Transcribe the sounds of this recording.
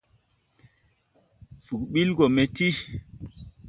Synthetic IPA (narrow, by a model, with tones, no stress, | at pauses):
fu˨kɓi˦lɡɔ˨me˦ti˦